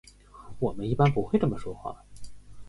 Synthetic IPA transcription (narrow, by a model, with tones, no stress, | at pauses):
wɔ˨˩mə˦ni˥˩pa˥npu˧˥xwʈ͡ʂɤ˥˩mə˩ʂwɔ˥xwa̰˥˩